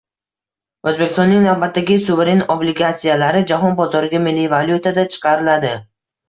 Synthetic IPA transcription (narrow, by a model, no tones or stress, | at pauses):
ɵzbe̞kʲʰɪst̪ɔnːɪŋnavbat̪ːaɡʲɪsuveɾenoblɪɡat̪sijalaɾɪd͡ʒaɦɒnbɒzɒɾɪɡʲamɪlːivalʲjut̪ʰad̪at͡ʃʰɨ̥qʰɑɾɪlad̪ɪ